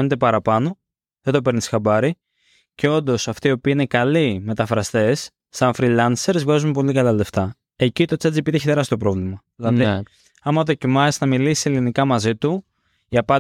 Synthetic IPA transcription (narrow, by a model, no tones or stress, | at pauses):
net̪e̞pɐɾɐpɐno̞ | ðed̪o̞pe̞ɾnisxɐbɐɾi | ceo̞nd̪o̞sɐft̪iːo̞piːine̞kɐlime̞t̪ɐfɾɐst̪e̞sː | ɐɱfɾilɐnse̞ɾzvɣɐzumepo̞likɐlɐle̞ft̪ɐ | e̞cit̪o̞t͡sɐd͡zipit̪ieçit̪e̞ɾɐsit̪o̞pɾo̞vlimɐðilɐði | ɐmɐðo̞cimɐsnɐmilisielinikɐmɐzit̪u | iɐpɐ